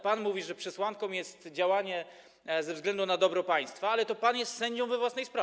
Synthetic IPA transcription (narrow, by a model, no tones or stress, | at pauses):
panmuvʲiʐɛpʂɛswaŋkɔ̃w̃jɛst̪d͡ʑawaɲɛ | zɛvzɡlɛnd̪unad̪ɔbɾɔpaj̃st̪faalɛt̪ɔpanjɛst̪sɛɲd͡ʑɔ̃w̃vɛvwasnɛjspɾav